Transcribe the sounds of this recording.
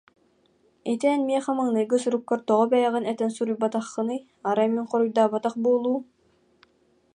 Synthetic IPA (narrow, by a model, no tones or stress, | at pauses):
it̪ɛːnmiɛχamɯŋnɯjɡɯs̬uɾukːɔɾt̪ɔʁɔbɛjɛʁinɛt̪ɛnsuɾujbat̪aχːɯ̆nɯj | aɾamiŋqɔɾujd̪aːbat̪aχbuːlˠuː